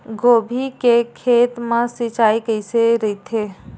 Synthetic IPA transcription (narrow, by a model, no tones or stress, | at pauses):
ɡoːbʱikekʰeːt̪mãsit͡ʃaːikəiseɾəit̪ʰeː